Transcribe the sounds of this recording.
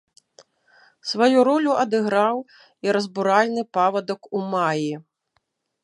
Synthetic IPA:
svajuɾɔlʲuɐd̪ɨɣɾaw | iɾɐzbuɾalʲnɨpavɐd̪ɐkumaji

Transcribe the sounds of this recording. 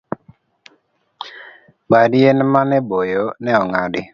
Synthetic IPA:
badienmanɛbojonɛɔŋadɪ

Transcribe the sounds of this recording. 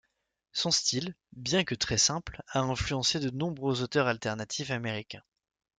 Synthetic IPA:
sɔ̃st̪il | bjɛ̃kət̪χɛsɛ̃plaɛ̃flyɑ̃sed̪ənɔ̃bʁøzot̪œʁalt̪ɛʁnat̪ʰifameʁikʲɛ̃

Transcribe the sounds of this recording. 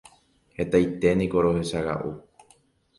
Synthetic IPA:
he̞t̪ajt̪e̞nĩko̞ɾo̞he̞ʃaɣa̰ʔṵ

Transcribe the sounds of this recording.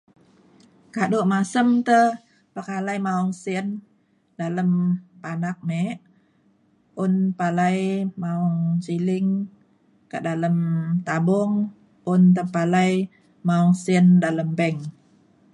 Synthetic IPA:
kaduʔmasəmt̪ə | pakalajmauŋsiən | daləmpanak̚mɛʔ | ʊnpalajmaɔŋsilɪŋ | ka̰ʔdaləmt̪abɔŋ | ʊnt̪̬əpalaj | maɔŋsiəndaləmbəŋ

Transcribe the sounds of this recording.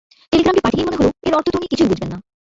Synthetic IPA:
ʈeliɡɾamʈipaʈʰinemoneɦoloeɾɔɾt̪ʰot̪unikit͡ɕʰujbud͡ʑʱbenːa

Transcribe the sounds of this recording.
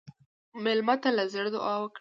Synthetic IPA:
mɪlmat̪alazəɽd̪ʊ̰ʔɑwəkɽ

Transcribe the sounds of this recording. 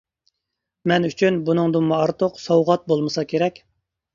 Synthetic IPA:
mɛnyt͡ʃʰynbunɨŋd̪umɑɑɾt̪ʰʊqsɑwʁɑt̪̚bolˠmɨsɑkʲʰeɾɛkʲ

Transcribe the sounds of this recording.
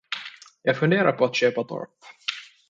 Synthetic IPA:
jɑːɡfɵnd̪eːɾa̰ɾpʰɔat̪ɕøːpat̪ʰɔ̰ɾp

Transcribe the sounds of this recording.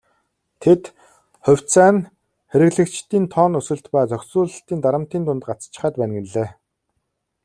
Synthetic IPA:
t̪ʰet̪ | χʊ̟w̥ʲt͡sæːn | xeɾɘ̆ɣɮɘ̆kt͡ɕt̪iːnt̪ʰɔːnɵsɵ̆ɮt̪pæːt͡sœkʲsuːɮə̆ɬt̪iːnt̪aɾə̆m̥t̪iːnt̪ʰʊnt̪ɢat͡st͡ɕɪ̆χaːt̪̚pæːnɡɘ̆nɮeː

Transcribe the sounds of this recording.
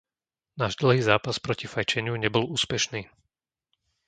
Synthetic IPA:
naːʒd̪l̩ɦiːzaːpaspɾɔcifajt͡ʃɛɲɪuɲɛbɔluːspɛʃniː

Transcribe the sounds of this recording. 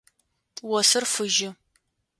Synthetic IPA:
wɔsɨrfɨʒɪ

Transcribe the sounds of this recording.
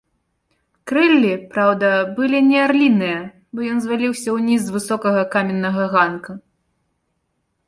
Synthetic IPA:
kɾɛlʲːipɾawd̪ɐbɨlʲinʲɛarlʲinɨjɐ | bɔjɔnzvalʲiwsʲɐwnʲizvɨsɔkɐɣɐkamʲɛnːɐɣɐɣanku

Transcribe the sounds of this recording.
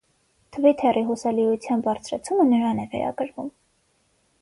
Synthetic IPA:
t̪ʰəvit̪ʰɛriɦusɑliut͡sʰjɑnbɑɾt͡sʰɾɑt͡sʰumənəɾɑnɛvɛ̰ɾɑ̰kəɾvum

